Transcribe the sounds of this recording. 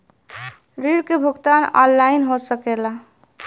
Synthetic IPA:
ɾiɽkebʱuɡt̪anɔ̰nlainɦosəkela

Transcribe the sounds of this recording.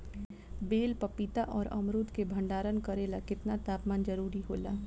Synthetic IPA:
beːlpɐpit̪aʔɔːɾɐ̰mɾuːt̪kebʱɐ̃ɳɖaːɾənkɐɾeːlakɪt̪nat̪aːpmaːnd͡ʒəɾuːɾiɦoːlaː

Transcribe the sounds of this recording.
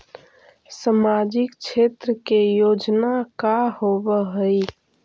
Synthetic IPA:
səmad͡ʒikt͡ʃʰet̪ɾəkejod͡ʒnakahobəɦəj

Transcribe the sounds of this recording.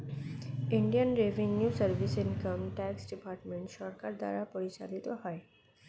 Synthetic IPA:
iɳɖijənɾevʱenjusəɾbʱisinkəmʈɛksɖipaɾʈmeɳʈʃɔɾkaɾd̪a̰ɾapoɾit͡ɕa̰lit̪oɦɔe

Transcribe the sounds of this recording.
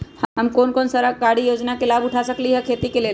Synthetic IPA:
ɦəmkoːnkoːnsɐɾakaːɽijoːd͡ʒnakelaːbʊʈʰasɐkliɦɛkʰeːt̪ikeleː

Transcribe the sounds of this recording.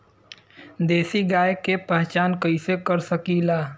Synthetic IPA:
d̪eːsiɡaːjkːepɛɦt͡ʃaːnkəisekəɾsəkilaː

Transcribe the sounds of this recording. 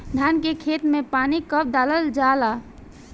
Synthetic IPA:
d̪ʱankekʰet̪mepanikəp̚d̪aləld͡ʒala

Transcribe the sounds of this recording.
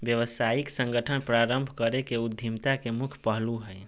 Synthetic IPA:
bjəʋəsaiksəŋɡəʈʰənpɾaɾəmbʱkəɾekeud̪ʱːimt̪akemukʰpəɦluɦəj

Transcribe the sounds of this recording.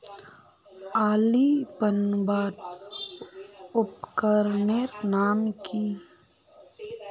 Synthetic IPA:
aːlipənbaːʈ | ʊpkəɾneːɾnaːmki

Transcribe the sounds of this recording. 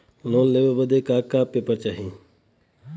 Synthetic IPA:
loːnleːʋebəd̪ekaːkaːpːeːpəɾt͡ʃaːɦĩ

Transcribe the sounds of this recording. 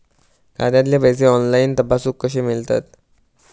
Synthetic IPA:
kad̪jat̪ljepəjs̬eɔnlaint̪əpasuːkːəɕemilt̪a̰t̪

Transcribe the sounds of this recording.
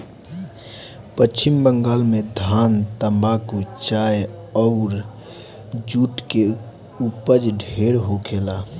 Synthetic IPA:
pət͡ʃɪmbəŋɡaːlmẽd̪ʱaːnt̪əmbakot͡ʃaːj | ɔʊɾ | d͡ʒuːʈke | upəd͡ʒɖʱeːɾɦokʰeːlaː

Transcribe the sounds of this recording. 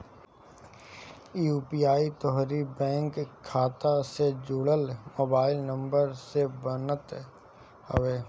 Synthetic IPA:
iuːpiːaːit̪ɔɦɾibɛ̃ːŋkʰːaːt̪ased͡ʒuːɽəlmoːbaːɪlnə̃mbəɾsebənət̪ | hoʋeː

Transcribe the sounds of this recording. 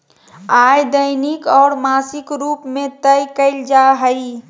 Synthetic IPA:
aːjd̪əɪnɪkɔːɾmaːsɪkɾuːpmẽt̪əjkəɪld͡ʒaɦəi

